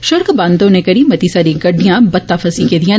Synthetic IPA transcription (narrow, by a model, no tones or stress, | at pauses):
ʃɐɾkbãːnd̪õnekɐɾimɐt̪isaːɾĩɡɐɖijãbɐt̪ːafʰɐsikeːd̪ijã